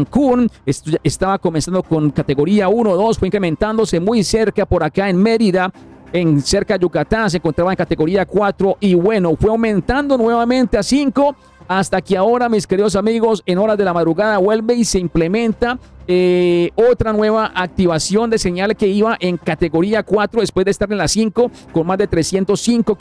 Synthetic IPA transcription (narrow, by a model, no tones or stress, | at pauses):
ŋkunest̪aβako̞mensand̪o̞ko̞ŋkat̪e̞ɣo̞ɾiaunoðo̞sfweiŋkɾemẽ̞nt̪and̪o̞se̞mujse̞ɾkapo̞ɾakaenme̞ɾiða | ense̞ɾkaʝukat̪as̬eŋkont̪ɾaβaeŋkat̪e̞ɣo̞ɾiakwat̪ɾo̞ʔiβwe̞nofwe̞awmẽ̞nt̪and̪o̞nwe̞βamẽ̞nt̪easiŋko̞ | ast̪akeao̞ɾamiske̞ɾiðo̞s̬amiɣo̞se̞no̞ɾazd̪e̞lamaðɾuɣaðaβwe̞lbe̞iseimple̞mẽ̞nt̪aeot̪ɾanwe̞βaʔak̚t̪iβasjo̞nd̪e̞se̞ɲalke̞iβaʔe̞ŋkat̪e̞ɣo̞ɾiakwat̪ɾoðespwe̞zd̪est̪aɾenlasiŋko̞ko̞nmazd̪e̞t̪ɾe̞sje̞nt̪o̞siŋko̞